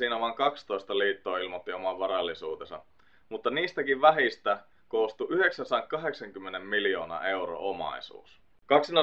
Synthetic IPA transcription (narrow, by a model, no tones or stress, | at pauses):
siːnæʋɑŋkɑkst̪o̞ist̪ɑliːt̪ːo̞ːilmot̪ːio̞mɑʋʋɑɾɑlːˑisuːt̪esɑ̰ | mut̪ːɑniːst̪ækiʋʋæɦist̪æ | koːst̪uʔyhe̞ksɑnsɑeŋkɑɦe̞ksɑŋkymːenemːilijo̞ːnɑ̰ːe̞uro̰omɑ̰isṵːs | kɑksinɑ